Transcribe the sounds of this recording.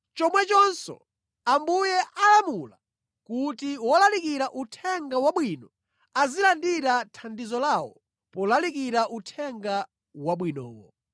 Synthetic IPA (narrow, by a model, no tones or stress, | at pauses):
t͡ʃɔmwɛt͡ʃɔnsɔ̰ | ambujɛʔalamula̰ | kutiwɔlalik̬iɾaʔutʰɛŋɡawaɓwinɔ | azilandiɾatʰandizɔlaːwɔ̰ | pɔlalikiɾaʔutʰɛŋɡa | waɓwinɔ̰ːwɔ̰